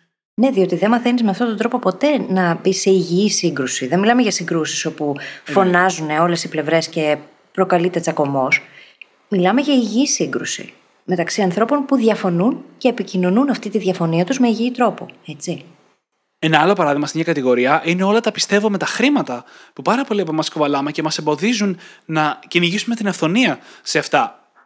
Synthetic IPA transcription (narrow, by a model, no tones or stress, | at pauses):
ne̞ðio̞t̪iðe̞mɐθenizmeɐft̪ot̪od̪ɾo̞po̞po̞t̪e̞nɐbise̞iʝiisiŋɡɾusiðenmilɐmeʝɐsiŋɡɾusi̥so̞puffo̞nɐzuneo̞le̞siple̞vɾe̞sce̞ | pɾo̞kɐlit̪e̞t͡sɐko̞mo̞s | milɐme̞ʝɐiʝiiːsiŋɡɾusḭ | me̞t̪ɐksiɐnθɾo̞po̞npuðʝɐfo̞nunceːpicino̞nunɐft̪it̪iðʝɐfo̞niɐt̪uzmeiʝit̪ɾo̞po̰e̞t͡si | e̞nɐɐlo̞pɐɾɐðiɣmɐsemɲɐkɐt̪iɣo̞ɾiɐʔineo̞lɐt̪ɐpi̥st̪e̞vome̞t̪ɐxɾimɐt̪ɐpupɐɾɐpo̞liɐpomɐskovɐlɐmecemɐsembo̞ðizunnɐciniʝisumet̪inɐfθo̞niɐse̞ɐft̪ɐ